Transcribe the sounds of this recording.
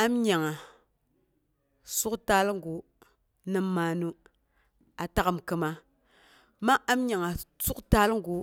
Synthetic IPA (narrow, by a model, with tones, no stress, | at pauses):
a˦mɲa˨ŋa˨ | su˦kta˦lŋ˦ɡu˨ | nə˦mːa˦nu˦ | a˨ta˦ka˨mkə˦ma˦ | ma˦ʔa˦mɲa˨ŋa˨su˦kta˦lŋ˦ɡu˨